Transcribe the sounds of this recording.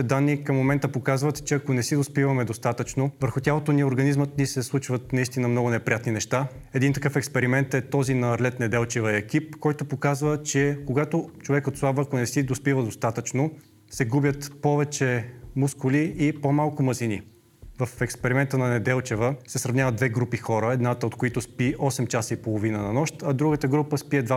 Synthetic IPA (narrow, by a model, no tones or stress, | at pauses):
t̪ɛd̪anːikəmːomɛnt̪əpokazvət̪t͡ʃɛɐkonɛsid̪ospivɐmɛd̪ost̪at̪ət͡ʃnovəɾxʊt̪ʲjalˠot̪onioɾɡɐnizmət̪nisɛslˠut͡ʃvət̪nɐist̪inəmnɔɡʊnɛpɾʲijat̪ninɛʃt̪a | ɛd̪int̪ɐkɤfɛkspɛɾimɛnt̪ɛt̪ɔzinɐːɾlɛt̪nɛd̪ɛlˠt͡ʃɛvəɛkip̚kɔjt̪opokazvət͡ʃɛkoɡat̪ot͡ʃovɛkot̪slˠabvəkonɛsid̪ospivəd̪ost̪at̪ət͡ʃno | sɛɡubʲjət̪pɔvɛt͡ʃɛmuskʊliipomalˠkʊmɐzini | vɐfɛkspɛɾimɛnt̪ənɐnɛd̪ɛlˠt͡ʃɛvəsɛsɾɐvnʲavəd̪d̪vɛɡɾupixɔɾəɛd̪nat̪əot̪koit̪ʊspiʔɔsɛmt͡ʃasipolˠovinənɐnɔʃt̪ɐd̪ɾuɡət̪əɡɾupəspiɛd̪va